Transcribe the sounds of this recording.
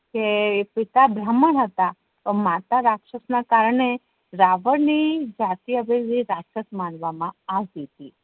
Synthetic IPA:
kepit̪abɾəməɳɦət̪a | t̪omat̪aɾakʂəsnakaɾɳe | ɾaʋəɾnid͡ʒat̪iəʋeɾdiɾakʃəsmanʋamãaʋd̪it̪i

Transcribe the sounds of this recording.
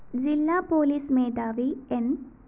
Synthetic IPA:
d͡ʑilːaːpoːliːsmeːd̪aːʋien

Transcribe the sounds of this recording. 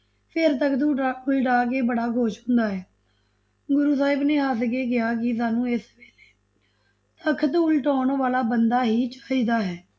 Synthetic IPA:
pʰɪɾt̪əkʰt̪uːʊlʈaːkeːbəɽaːɡʱoːʃɦʊ̃nd̪aːɦɛː | ɡʊɾuːsaːɪbneːɦaːsɡeːɡɪjaːk̬ɪs̬aːnũːesʋeːleː | t̪əkʰt̪uːlʈɔːɳʋaːlaːbənd̪aːɦiːt͡ʃḁːiːd̪aːɦɛː

